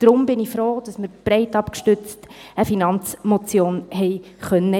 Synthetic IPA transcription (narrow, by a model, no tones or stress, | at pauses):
d̥ɾʊmbɪnifɾoːd̥ɑsməɾb̥ɾɛɪtɑpkʃtʏt͡stəfinɑnt͡smɔt͡sjoːnɦɛɪ | χœnːə